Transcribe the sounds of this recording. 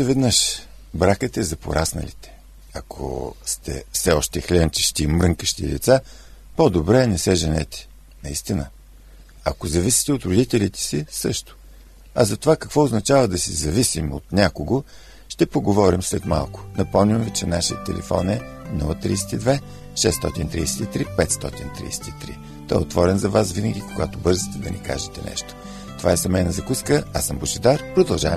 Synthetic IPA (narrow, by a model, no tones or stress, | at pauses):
ɛvɛd̪nəʃ | bɾakət̪ɛzɐpo̰ɾasnɐ̰lḭt̪ɛ̥ | ɐkʰo̰st̪ɛ̰fsɛɔʃt̪ɛxlʲɛnt͡ʃə̥ʃt̪imɾəŋkəʃt̪ḭd̪ɛt̪sa | pod̪obɾɛnɛsɛʒɛnɛ̰t̪ɛ̥ | nɐist̪inə | ɐ̰kozɐvisi̥t̪ɛot̪ɾʊd̪it̪ɛlʲit̪ɛ̥sisɤʃt̪ʊ̥ | ɐ̰zɐt̪ovakɐkvɔoznɐt͡ʃavəd̪ɐsizɐvisimo̰t̪nʲakoɡo | ʃt̪ɛpoɡovɔɾimslɛt̪ma̰lˠkʊ̥nɐpɔmnʲimvit͡ʃɛnaʃiət̪ːɛ̰lɛ̰fɔ̰nɛnṵlˠət̪ɾḭːsɛ̥t̪id̪vɛ | ʃɛst̪ɔt̪int̪ɾijsɛ̥t̪it̪ɾipɛt̪st̪ɔt̪int̪ɾḭːsɛ̥t̪it̪ɾḭ | t̪ɔɛot̪vɔɾɛnzɐvasvinəɡʲikoɡat̪obɤɾzit̪ɛd̪ɐnḭka̰ʒɛt̪ɛnɛ̰ʃt̪o̥ | t̪ovaɛsɐmɛnɐzɐkuskəasəmboʃɛd̪aɾpɾod̪ɐlˠʒa̰vɛm